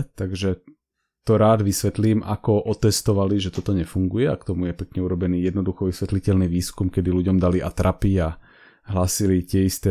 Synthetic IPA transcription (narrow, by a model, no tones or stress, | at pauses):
t̪aɡʒɛ | t̪ɔɾaːd̪ʋisʋɛt̪liːma̰kɔʔɔt̪ɛst̪ɔʋaliʒɛt̪ɔt̪ɔɲɛfuŋɡujɛakt̪ɔmujɛpɛkɲɛuɾɔbɛniːjɛd̪nɔd̪uxɔʋisʋɛt̪licɛlniːʋiːskumkɛd̪iluɟɔmd̪aliʔa̰t̪ɾʔapia | ɦlaːsilit̪ɪɛist̪ɛː